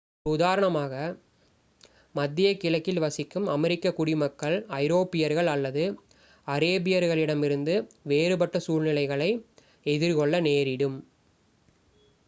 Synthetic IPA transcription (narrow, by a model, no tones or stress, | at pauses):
ʊðaːɾɐɳɐmaːɣɐ | mɐd̪ːɪjɐkːɪlɐkːɪlʋɐsɪkːɯmɐmɛɾɪkːɐkʊɽɪmɐkːɐɭɐɪɾoːpɪjɐɾɣɐɭɐlːɐðɯ | ɐɾeːbɪjɐɾɣɐɭɪɽɐmɪɾɯnd̪ɯʋeːɾɯpɐʈːɐsuːɻnɪlɐɪɣɐɭɐɪ | ɛðɪɾkɔɭːɐneːɾɪɽɯm